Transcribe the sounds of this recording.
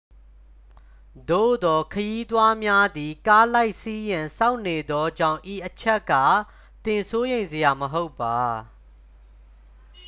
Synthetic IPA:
d̪o̰˦˨d̪ɔ˨kʰəji˦t̪wa˦mja˦d̪i˨ka˦la˦ɪʔsi˦jɪ̃˨nsa˦ʊʔnːe˨d̪ɔ˦d͡ʑã˦˨ʊ̃ʔi˨ʔət͡ɕʰɛ˦ʔkːa̰˦˨ | t̪ɪ̃˨nso˦jẽ˨ɪ̃nzə˨ja˨məɦo˦ʊpːa˨

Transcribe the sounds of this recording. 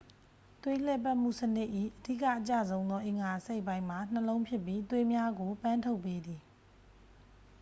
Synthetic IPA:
t̪we˦l̥ɛ˦˨pa˦ʔm̥ṵ˦˨sənɪ˦ʔḭ˦˨ʔədḭ˦˨kä̰˦˨ʔət͡ɕä̰˦˨zõ˦ʊ̃nd̪ðɔ˦ʔɪ̃˨ŋɡa˨se˦˨ʔpːã˦ɪ̃ma˨n̥əlõ˦ʊ̃pʰjɪ˦pːji˦t̪we˦mja˦ɡo˨pã˦ntʰo˦ʊpːe˦d̪i˨

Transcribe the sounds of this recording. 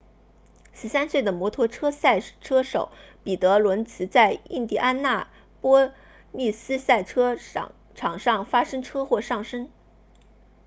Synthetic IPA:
ʂɻ̩˧˥sa˥nswe˥˩ɪd̪ə˩mwɔ˧˥t̪ʰwɔ˧˥ʈ͡ʂʰɤ˥sa˥˩ɪʈ͡ʂʰɤ˥ʂo˨˩˦ʊpi˨˩t̪ɤ˧˥lwə˧˥nt͡sʰɹ̩˧˥t͡sa˥˧ɪḭ˥˧nt̪i˥˩ʔa˥nna˥˩ | pwɔ˥ | mi˥˩sɹ̩˥sa˥˩ɪʈ͡ʂʰɤ˥ | ʈ͡ʂʰɑ˨˩ŋʂɑ˥˩ŋfa˥ʂɤ˥ŋʈ͡ʂʰɤ˥xwɔ˥˧ʂɑ˥˩ŋʂə˥ŋ

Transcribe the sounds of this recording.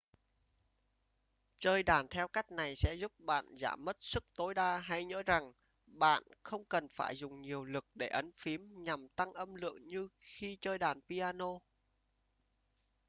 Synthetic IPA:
t͡ɕəː˧jɗaː˧˩nt̪ʰɛ˧wka˦˥jk̟̚na˨˩jsɛ̰˧˥zu˦˥p̚ɓa̰ː˧˨nza̰ː˧˩mːə˦˥t̚sɨ˦˥k̚t̪o˨˦jɗaː˧ɦa˧jɲə̰ː˧˥za˨˩ŋ | ɓa̰ː˧˨nxə˧wŋ͡mkə˨˩nfaː˧˩jzʊ˨˩ŋ͡mɲi˨˩əwlɨ˨˩k̚ɗe˧˩ʔə˨˦nfi˨˦əmɲa˨˩mt̪a˧ŋʔə˧mlɨ̰˧˨əŋɲɨ˧xi˧t͡ɕəː˧jɗaː˧˩npi˧ʔaː˧no˧

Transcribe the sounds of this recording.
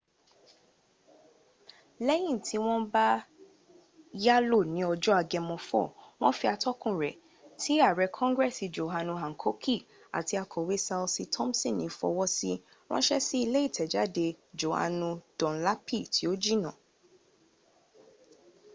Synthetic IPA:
lɛ˦jĩ˦˨tʰi˧˦w̃ɔ̃˦ba˦ | ja˦lo˦˨nĩ˨˦ɔ˧d͡ʒɔ˦a˧ɡɛ˧mɔ̃˧fɔ̰˦˨w̃ɔ̃˦fi˧a˧tɔ˦kũ˦˨ɾɛ˨ | tʰi˨˦a˦˨ɾɛ˨˧kʰɔ̃˦ŋɡɾɛ˦˨si˧d͡ʒo˨ɦa˧nũ˧ɦa˨ŋ̩˨kʰo˦kʰi˦˨ | a̰˨ti˧a˧kʰɔ˨we˨˦sa˧lsi˧tʰɔ̃˦m˦sĩ˦˨nĩ˨˦fɔ̰˧wɔ˦si˦ | w̃ɔ̰̃˦ʃɛ˦si˦i˧le˦i˦˨tʰɛ˨d͡ʒa˨˦de˧d͡ʒo˨ha̰˨nũ˧d̥ɔ̃˨la˦pi˦˨tʰi˨˦o˦d͡ʒi˦nã˦˨

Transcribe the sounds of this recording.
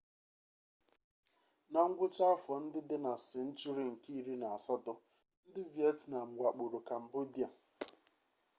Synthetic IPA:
na˨ŋ̩˦ɡʷʊ˦t͡ʃa˦fɔ˨n̩˦dɪ˦dɪ˦na˨sɪ˨n̩˦t͡ʃu˦ɾi˨ŋ̩˨ki˦i˦ɾi˦na˨a˨sa˦dɔ˦ | n̩˦dɪ˦vje˦tna˨ŋ͡m̩˨ɡʷa˨k͡po˨ɾo˨ka˨m̩˨bo˦di˦a˨

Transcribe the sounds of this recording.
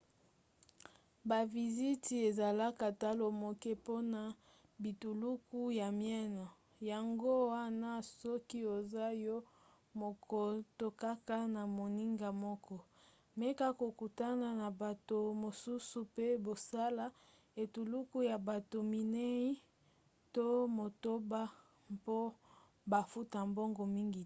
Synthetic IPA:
ba˨vi˨zi˦ti˨e˨za˨la˦ka˨ta˦lo˨mo˨kɛ˦po˦na˨ | bi˨tu˨lu˦ku˦ja˨mjɛ˦nɔ˨ | ja˨ŋɡo˦wa˦na˦sɔ˦ki˦o˨za˦jɔ˦ | mo˨kʰɔ˨to˨ka˦ka˦na˨mo˨ni˦ŋɡa˨mɔ˦kɔ˦ | me˦ka˦ko˨ku˨ta˦na˨na˨ba˨to˨mo˨su˦su˨pe˦bo˨sa˦la˦ | e˨tu˨lu˦ku˦ja˨ba˨to˨mi˨ne˦i˦ | to˦mo˨to˦ba˦ | mpo˦ | ba˨fu˦ta˨mbɔ˦ŋɡɔ˨mi˦ŋɡi˨

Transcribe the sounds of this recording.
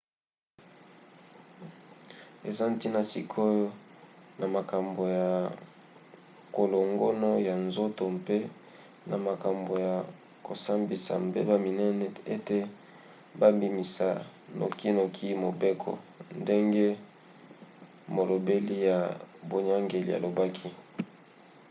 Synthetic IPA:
e˨za˦nti˦na˨sḭ˨kʰo˦jo˦na˨ma˨ka˨mbo˨ja˨ | ko˨lo˨ŋɡo˦no˦ja˨nzo˦to˨mpe˦ | nʔa˨ma˨ka˨mbo˨ja˨ | ko˨sa˦mbi˨sa̰˨mbe˦ba˦mi˨nɛ˦nɛ˦e˦te˨ | ba˦mbi˨mi˨sa̰˨no̰˨ki˦no˨kʰi˦mo˨be˦kʰo̰˨nde˦ŋɡe˦ | mo˨lo˨be˦li˦ja˨bo˨ɲa˦ŋɡe˨li˨a̰˨lo˨ba˦kʰi˦

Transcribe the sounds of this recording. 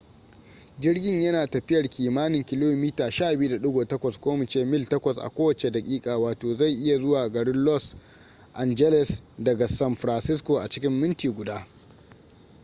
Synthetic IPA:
d͡ʒɪ˦rɡʲɪ˦ɲjɐ˦naː˨tɐ˨ɸɪ˦jɐ˨rkʲiː˨maː˦nɪ˨ŋkʲɪ˨loː˦miː˦taː˨ʃaː˦˨bɪ˦u˦da˨ɗʊ˦ɡoː˨tɐ˦kʷɐ˨skʷoː˦mɪ˨t͡ʃeː˦mɪ˦ltɐ˦kʷɐ˨sʔa̰˨kʷoː˦wɐ˨t͡ʃe˨da˨kʲʼiː˦kʼaː˨waː˨toː˨za˦˨jʔɪ˦ja˨zʊ˦waː˨ɡɐ˨ɽɪ˦nlɔ˦s | ʔa˨nd͡ʒɛ˦lɛ˨sdɐ˨ɡa˨sɐ˦mɸɾa˨nsɪ˦skʷoː˨ʔa˨t͡ʃɪ̥˦kʲɪ˦mːɪ˦ntiː˨ɡʷʊ˨daː˦

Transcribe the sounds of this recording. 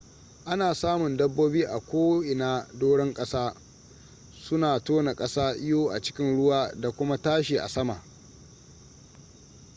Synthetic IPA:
ʔa˦naː˨saː˦mʊ˨ndɐ˦bːoː˦biː˦ʔa˨kʷoː˦ʔɪ˨naː˦doː˦ɽɛ˦ŋkʼɐ˦saː˦ | sʊ˦naː˨toː˦na˨kʼɐ˦saː˦ʔɪ˦joː˦ʔa̰˨t͡ʃɪ̥˦kʲɪ˦nɽʊ˦waː˦da˨kʷʊ˦ma˦taː˦ʃiː˨ʔa̰˨sɐ˦ma̰˨ʔ

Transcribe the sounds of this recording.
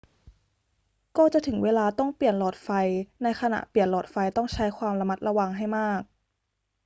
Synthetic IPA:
kɔː˥˩t͡ɕa˨˩ʔt̪ʰɯ˩˦ŋweː˧laː˧t̪ɔ˥˩ŋpi˨˩ənlɔː˨˩t̪̚fa˧jna˧jkʰa˧na̰˨˩ʔpli˨˩ənlɔː˨˩t̪̚fa˧jt̪ɔ˥˩ŋt͡ɕʰa˦˥jkʰwaː˧mɾa˧ma˦˥t̪̚ɾa˧wa˧ŋɦa˥˩jmaː˥˩k̚

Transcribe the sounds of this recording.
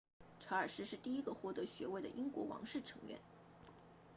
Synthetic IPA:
ʈ͡ʂʰa˧˥ə˞˨˩ʂɻ̩˥˧ʂɻ̩˥˧t̪i˥˩i˥ɡə˧xwɔ˥˩t̪ɤ˧˥ɕɥɛ˧˥we˥˩ɪd̪ə̰˩ʔi˥ŋkwɔ̰˧˥wɑ̰˧˥ŋʂɻ̩˥˩ʈ͡ʂʰɤ˧˥ŋɥɛ̰˧˥˦n

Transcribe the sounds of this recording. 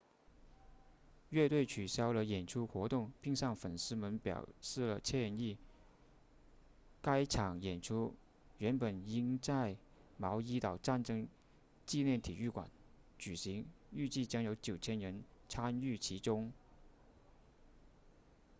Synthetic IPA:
ɥɛ˥˧t̪we˥˩ɪt͡ɕʰy˨˩ɕjɑ˥ʊlə˨jɛ˨˩nʈ͡ʂʰu˥xwɔ˧˥t̪ʊ˥˩ŋpi˥˧ŋɕɑ˥˩ŋfə˨˩nʂɹ̩˥mə˧˥npjɑ̰˨˩ʊʂɻ̩˥˩lə˩t͡ɕʰjɛ˥˧ni˥˩ | ka˥ɪʈ͡ʂʰɑ˨˩ŋjɛ˨˩nʈ͡ʂʰu˥ | ɥɛ˧˥npə˨˩ni˥ŋt͡sa˥˩ɪ | mɑ˧˥ʊi˥t̪ɑ˨˩ʊʈ͡ʂa˥˩nʈ͡ʂɤ˥ŋ | t͡ɕi˥˧ljɛ˥˩nt̪ʰi˨˩y˥˩kwa̰˨˩˦n | t͡ɕy˨˩ɕi˧˥ŋy˥˧t͡ɕi˥˩t͡ɕjɑ˥ŋjo˧˥ʊt͡ɕjo˨˩ʊt͡ɕʰjɛ˥nɻə˧˥nt͡sʰa˥ny˥˩t͡ɕʰi˧˥ʈ͡ʂʊ˥ŋ

